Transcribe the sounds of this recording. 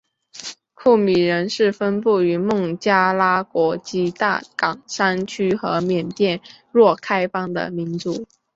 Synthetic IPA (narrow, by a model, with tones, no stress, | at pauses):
kʰu˥˩mi˨˩ɻə˧˥nʂɻ̩˥˩fə˥npu˥˩y˧˥mʊ˥˩ŋt͡ɕja˥la˥kwɔ˧˥t͡ɕi˧˥t̪a̰˥˩kɑ˨˩ŋʂa˥nt͡ɕʰy˥xɤ˧˥mjɛ˨˩nt̪jɛ˥˧n | ɻwɔ˥˩kʰa˥ɪfɑ˥ŋd̪ə̰˨mi˧˥nt͡su˧˩˥